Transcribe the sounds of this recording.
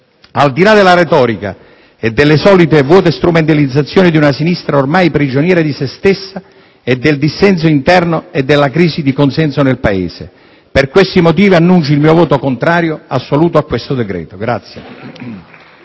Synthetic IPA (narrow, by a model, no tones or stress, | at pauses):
ald̪ilad̪elːaɾet̪ɔːɾika̰ | ɛd̪ːelːesɔːlit̪evwɔːt̪est̪ɾument̪alid̪zːat̪sːjoːnid̪iunasinist̪ɾaormajpɾid͡ʒonjɛːɾed̪isest̪esːa | ɛd̪ːeld̪isːɛns̬oint̪ɛrnoed̪ːelːakɾiːsid̪ikonsɛnsonelpaḛːsḛ | perkwest̪imot̪̬iːvianːunt͡ʃilmiːovoːt̪okont̪ɾaːɾjoasːoluːt̪oakːwest̪od̪ɛɡɾɛ̰ːt̪oɡɾat̪sːjḛ